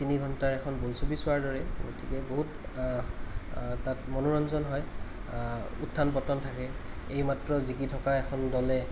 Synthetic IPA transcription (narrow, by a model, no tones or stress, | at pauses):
tiniɡʱɔntaɹɛkʰɔnbojsobisʊaɹdɔɹɛɡo̰tikɛboɦut | tatmɔnuɹɔnzɔnɦɔj | ṵtʰːanpɔtɔntʰakɛejmatɹɔzikitʰɔkaɛkʰɔndɔlɛ